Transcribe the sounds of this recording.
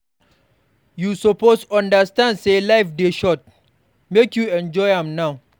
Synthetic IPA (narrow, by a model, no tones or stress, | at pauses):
jusɔposãndɐstãndselaɪfdeʃɔt̚ | mekjuɛ̃nd͡ʒɔɪãmnaw